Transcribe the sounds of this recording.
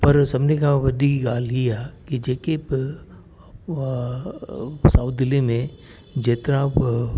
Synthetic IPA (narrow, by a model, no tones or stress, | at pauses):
pɐɾsɐbnekaʋɐdiɡaːljeɦɛkid͡ʒeːkep | saʊd̪ɪlimẽ | d͡ʒeːt̪ɾa